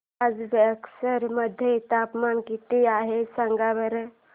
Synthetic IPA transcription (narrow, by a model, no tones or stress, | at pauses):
ad͡zbeəksəɾməd̪ʱjeit̪apmankit̪iaɦesəŋɡabəɾe